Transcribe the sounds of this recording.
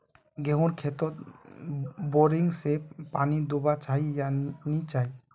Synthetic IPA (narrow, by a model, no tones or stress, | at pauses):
ɡeɦõɾkʰɛt̪ɔt̪̚ | boɾiŋsepanid̪obat͡ʃajjanit͡ʃaj